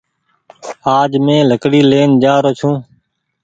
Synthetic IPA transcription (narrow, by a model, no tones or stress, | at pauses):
aːd͡ʒmẽːləkɽiːleːnd͡ʒaːɾoːt͡ʃʰũː